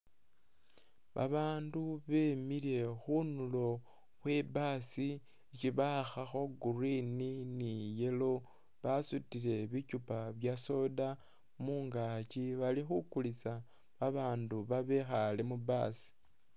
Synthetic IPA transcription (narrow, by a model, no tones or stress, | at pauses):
βa̰βaːnduβe̞miɾe̞xunulo̞ | xwe̞baːsi | eciβaxaxo̞ɡurininije̞lo̞ | βasutiɾe̞βicupaβjaso̞da | muːŋɡaciβalixukulisa | βaβaːnduβaβe̞xalemubaːsi̥